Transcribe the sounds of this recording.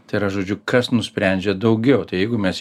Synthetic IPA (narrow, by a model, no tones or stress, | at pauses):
t̪ɐɪɾɐʒoːd͡ʒʲʊkɐsnʊsʲpʲɾʲɛˑnʲd͡ʒʲɛd̪ɐʊɡʲɛʊt̪ɐɪjɛɪɡʊmʲɛs